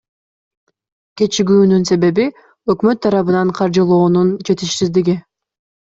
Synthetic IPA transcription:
ke̞t͡ʃiɡʲyːnynse̞βe̞βi | ø̞kmø̞t̪ʰːɑɾɑβɯnɑɴqʰɑɾd͡ʒɯlˠo̞ːnunt͡ʃe̞t̪iʃsizd̪iɡi

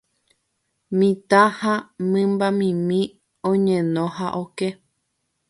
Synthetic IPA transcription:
mĩt̪ãhãmɨ̃mbamĩmĩ | õɲẽnõhaʔoke

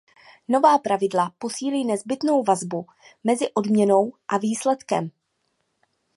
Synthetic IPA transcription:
no̞vaːpɾavɪdlapo̞siːliːnɛzbɪt̪no̞wvazbu | mɛzɪʔo̞dmɲɛno̞wʔaviːslɛt̪kɛ̰m

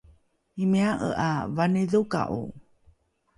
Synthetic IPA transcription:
imiaʔə̰ʔavaniðuka̰ʔṵ

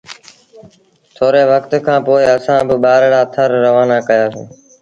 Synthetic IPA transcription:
t̪ʰoːɾeːʋəkt̪kʰãːpoːɪəsãːbɪɓaːɾɽaːt̪ʰəɾːəʋaːnaːkəjaːsḭ̃ː

